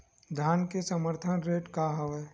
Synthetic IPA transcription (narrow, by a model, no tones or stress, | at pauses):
d̪ʱjaːnkesəməɾt̪ʰənɾeːʈkaɦəʋeː